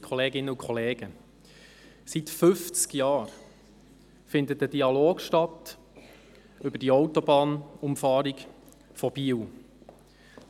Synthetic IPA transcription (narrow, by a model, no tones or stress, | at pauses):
kʰχɔleːɡɪnːəʊkʰχɔleːɡ̥ə | sitfʏft͡skjɑːɾ | fɪndət̚əd̥iɑloːɡʃtɑt | ʏbədiɔʊtɔbɑːnʊmfɑːɾiɡ | fɔb̥iːw